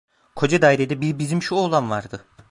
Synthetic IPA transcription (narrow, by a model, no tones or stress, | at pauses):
kʰo̞d͡ʒad̪aːjɾʲed̪ɛbibizimʃuolˠanvaɾd̪ɯ